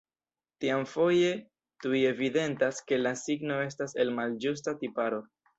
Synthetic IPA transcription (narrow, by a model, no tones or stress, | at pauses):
tiamfo̞je̞ | tuie̞vide̞ntaske̞lasiɡno̞e̞s̬tase̞lmald͡ʒus̬tatipaɾo̞